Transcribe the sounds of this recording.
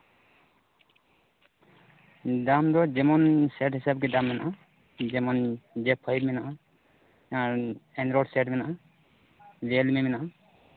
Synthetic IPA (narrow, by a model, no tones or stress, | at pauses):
damd̪ɔd͡ʒɛmɔnsɛʈɦisabkedamːɛna | d͡ʒɛmɔnd͡ʒɛpʰːɔbmina | aɛnɾɔɖsɛʈmɛna | d͡ʒelmimina